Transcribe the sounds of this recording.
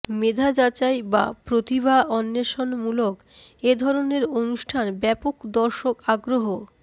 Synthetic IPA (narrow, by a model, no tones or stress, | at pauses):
med̪ʱad͡ʑat͡ɕajba̰pɾot̪ibaʔɔnːeʃonmulok | ed̪ʱɔɾoneɾonuʃʈʰanbɛpokd̪ɔɾʃokaɡɾoɦo